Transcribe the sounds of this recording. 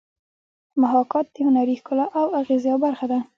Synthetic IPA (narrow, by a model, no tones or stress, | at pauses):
maɦɑkɑt̪̚d̪əhʊnaɾixkʊlaʔawaɣezjɑwbaɾxad̪a